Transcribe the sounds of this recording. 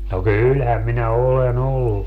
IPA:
no kylhæm minæ olen olːu

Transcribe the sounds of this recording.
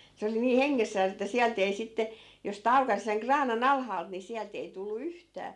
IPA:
se oli niː heŋːesːæːs etːæ siælt ei sitːe jos sĭt ɑukɑs seŋ krɑːnɑn ɑlhɑːlt ni siælt ei tulːu yhtæː

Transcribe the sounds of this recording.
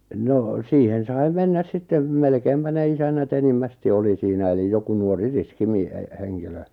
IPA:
noˑ siːhen sɑi menːæs sitːem melkeimpæ ne isænːæt enimːæsti oli siːnæ elij joku nuori riski mi e e heŋkilø

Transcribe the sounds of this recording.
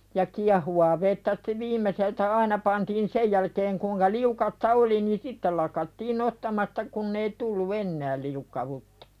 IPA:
jɑ kiɑhuwɑː ʋetːæ ste̥ ʋiːmˑeseltæ ɑinɑ pɑntiːn sej jælkeːŋ kuːŋkɑ liukɑstɑ oli ni sitːel̆ lɑkɑtːiːn nostɑmɑstɑ kunː ei tulːu enːæːl liukːɑwutːɑ̥

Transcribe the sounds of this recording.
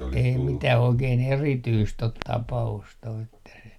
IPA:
ei mitæh oikeːn erityst ot tɑpɑust o etːæ se

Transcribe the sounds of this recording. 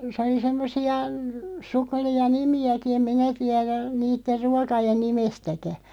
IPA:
sĕ oli semːosiɑ sukːĕliɑ nimiæki em minæ tiæɾæ niːtːer ruɑkɑjen nimestækæ

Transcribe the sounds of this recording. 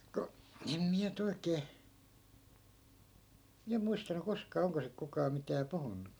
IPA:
ku em miæ nyt oikeː miæ muistɑnu koskɑː oŋko sik kukɑː mitæː puhunːu

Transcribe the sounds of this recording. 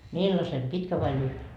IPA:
milːɑse pitkæ ʋɑi lyhʋe

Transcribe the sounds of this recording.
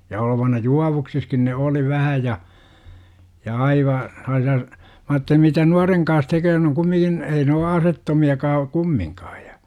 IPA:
jɑ oloʋɑnɑ juɑʋuksiskin ne oli ʋæhæ jɑ jɑ ɑiʋɑ selːɑːsiɑ mæ ɑːtːeli mitæ nuɑreŋ kɑns tekøː n oŋ kumːiŋkin ei ne o ɑsetːomiɑkɑː kumːiŋkɑː jɑ

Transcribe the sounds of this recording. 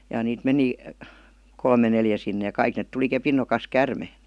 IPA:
jɑ niːt meni kolme neljæ sinːe jɑ kɑik net tuli kepin nokɑs kærme

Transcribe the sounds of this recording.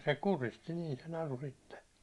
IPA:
se kuristi niːn̞ se nɑru sitːe

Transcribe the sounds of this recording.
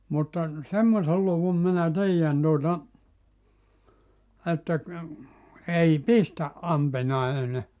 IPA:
mutːɑ semːosel luʋum minæ tiːjæn tuotɑ etːæ ei pistæʔ ʔɑmpinɑine

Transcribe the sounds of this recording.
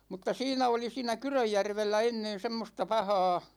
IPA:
mutːɑ siːnæ oli siːnæ kyrøjːærʋelːæ enːen semːostɑ pɑhɑː

